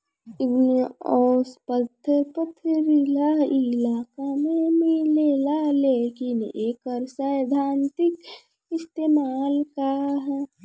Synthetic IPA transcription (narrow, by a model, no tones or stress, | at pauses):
ɪnneɔːspət̪ʰːəɾpəpʰɪɾilaɪlaːkamẽmɪlelaleːkɪneːkəɾsajd̪ʱaːnt̪ɪk | ɪst̪eːmaːlkaɦɛ